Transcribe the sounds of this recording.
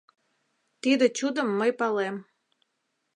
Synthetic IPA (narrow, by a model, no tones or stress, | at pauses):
t̪id̪ə̆t͡ɕud̪ə̆mːəjpɑlem